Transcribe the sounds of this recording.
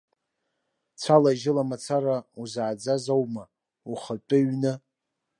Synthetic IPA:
t͡sʷʰalaʒɪlamat͡sʰaɾauzaːd͡zazowma | uχətʷʼɨɥnɨ

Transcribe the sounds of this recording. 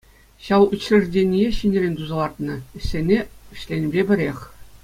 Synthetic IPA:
ɕɑlut͡ɕlʲɘ̆ʐdʲenʲijeɕinʲĕrʲenʲt̪uzɑlˠɑrt̪nɤ̆ɘ̆ɕʲːenʲeɘ̆ɕlʲenʲbʲebʲɘ̆ɾʲexʲ

